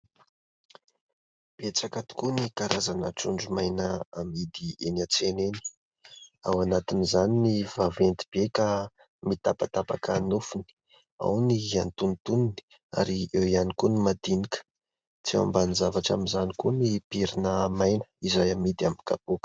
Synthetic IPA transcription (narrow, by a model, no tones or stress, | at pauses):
b̥et͡sakat̪u̥kunikaɾazanəʈ͡ʂuɳɖ͡ʐumajnəamid̪ienat͡seneni̥ | awanat̪inizaninivavent̪i̥b̥eka | mit̪apat̪apakanufuni̥ | a̰wniant̪unt̪unini̥ | a̰ɾiewianikunimad̪̥inikə̥ | t͡sia̰mbanizavaʈ͡ʂa̰minzanikunipiɾinəmajnə̥izajamid̪iamika̰po